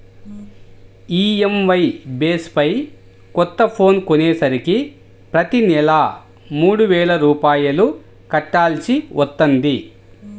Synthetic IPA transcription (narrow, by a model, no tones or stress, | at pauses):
iːemʋɐjbeːspɐj | kɔt̪ːɐpʰo̞ːnkoneːsɐɾiki | pɾɐt̪inɛlɐ | muːɽuʋɛːɭɐɾuːpaːjɐlu | kɐʈːaːlt͡ʃiʋʔɔt̪ːɐnd̪i